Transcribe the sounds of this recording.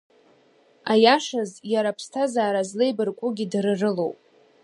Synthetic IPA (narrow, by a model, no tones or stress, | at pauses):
ajaʂazjaɾapʰstʰazaːɾazlejbɨrkʷʼʊɡʲidrɨrɨlo̰wpʼ